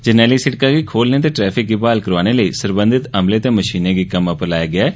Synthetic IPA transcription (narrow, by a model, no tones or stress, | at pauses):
d͡ʒɪnɛːliːsɪʈkaːɡiːkʰoːlneːt̪eːʈɾɛːpʰɪk̚ɡiːbaːlkəɾʋaːñeːləiːsəɾbə̃nd̪ɪt̪əmleːt̪eːməʃiːnẽːɡiːkəməpəɾlaːjeːɡɪaː